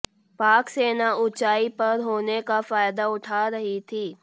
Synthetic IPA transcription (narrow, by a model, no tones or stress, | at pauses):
paːkseːnaʔʊt͡ʃaːipɐɾɦoːnekafaːɪd̪aʊʈʰaːɾɐɦit̪ʰiː